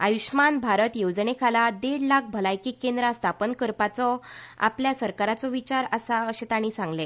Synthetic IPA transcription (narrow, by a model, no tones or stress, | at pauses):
ajuɕmanbʱaɾət̪jod͡znekʰalad̪eɽlak̚ʰbʱəlajkiːkend̪ɾast̪ʰapənkəɾpat͡sɔa̰pljasəɾkaɾat͡sɔʋit͡ɕaɾəsaəɕet̪aɽ̃ĩsãŋɡle